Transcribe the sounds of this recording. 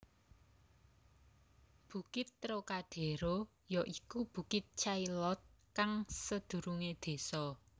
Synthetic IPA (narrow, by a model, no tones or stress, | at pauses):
b̥ṳkɪt̪ːɾokaɖ̪̥e̤ɾo | jɔʔikub̥ṳkɪt̪̚t͡ʃajlɔt̪̚kaŋsəd̪̥ṳɾuŋed̪̥e̤sɔ